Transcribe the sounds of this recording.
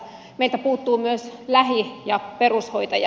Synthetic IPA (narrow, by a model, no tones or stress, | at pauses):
meilt̪æpuːt̪ːuːmyøslæhijɑperushoit̪ɑjɑ